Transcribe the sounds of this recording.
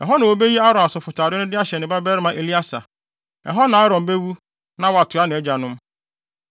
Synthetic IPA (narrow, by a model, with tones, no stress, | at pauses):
ɛ̰˨ɦɔ˦nã˨wo˨be˦ji˦a˦ɾɔ̃˨na˨sʊ˨fʊ˨tʰaː˨ɾɪ˦nʊ̃˦dɪ˦a˦ɕɛ˨nɪ̃˨ba˦bɛ˦ɾɪ˦mã˨ʔe˨li˦a˦sa̰˨ | ɛ̰˨ɦɔ˦nã˨a˦ɾɔ̃˨m˨be˦wu˦ | nã˦wɔ˦a˨tʰʊ˨a˦nɪ̃˨ɛ˦d͡ʑa˨nʊ̃˦m